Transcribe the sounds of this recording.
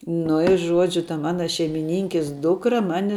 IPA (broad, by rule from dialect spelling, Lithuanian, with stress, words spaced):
nʊ ɪ ˈʒuɔd͡ʒʲʊ tɐ ˈmɑːnɐ ʃʲɛɪmʲɪˈnʲɪŋʲkʲɪs ˈdʊkrɐ ˈmɑːnʲɪ